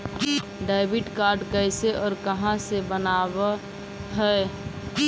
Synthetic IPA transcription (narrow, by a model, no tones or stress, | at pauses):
ɖaɪbiɖkaɾɖkəɪseʔɔːɾkəɦãsebənab | ɦəe